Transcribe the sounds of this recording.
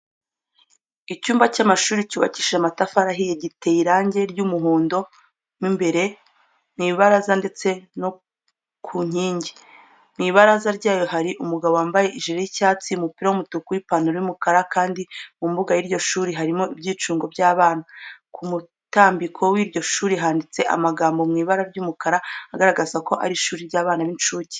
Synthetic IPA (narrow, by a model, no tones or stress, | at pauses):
icuːmbacamaʃuːɾicuːβa̰ci̥ːʃamatafaɾaɦijeɟiteiɾaːɲɟe̞ɾɟumuɦuːndo̞ | mimbe̞ɾe̞ | niːβaɾazande̞t͡se̞no | kʰuɲ̥iːɲɟi̥ | miβaɾazaɾɟaːjo̞ɦaɾiʔumuɡaβo̞waːmbaje̞ʔiʒiɾejicaːt͡siumupiɾawumutukuɾipanuɾojumukaɾakaːndimumbuɡajiɾɟo̞ʃuːɾiɦaɾimo̞ibɟiːt͡ʃuːŋɡo̞bɟaːβaːnakʰumu | taːmbikʰo̞wiːɾɟo̞ʃuːɾiɦaːndit͡se̞ʔa̰maɡaːmbo̞mŋiːβaɾaɾɟumukaɾaaɡaɾaɡazako̞ʔa̰ɾiʃuːɾiɾɟaːβaːnaβint͡ʃuːci̥